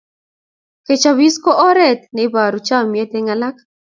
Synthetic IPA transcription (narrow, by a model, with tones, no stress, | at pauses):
ke˨t͡ʃa˨βi˦sko˦ʔɔ˦ɾɛ˦˨t̪̚ne˨ba˨ɾu˨t͡ʃa˦˨mje˦t̪e˦ŋa˨la˦k